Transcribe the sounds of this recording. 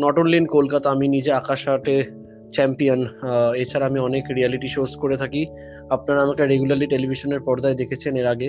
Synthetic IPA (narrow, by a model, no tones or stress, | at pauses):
nɔʈonlinkolkat̪aaminid͡ʑeakaʃaʈe | t͡ɕɛmpionet͡ɕʰaɾaamiɔnekɾialiʈiʃoskoɾet̪ʰaki | apnaɾaamakeɾeɡulaɾliʈelibʱiʃoneɾpɔɾd̪aed̪ekʰet͡ɕʰeneɾaɡe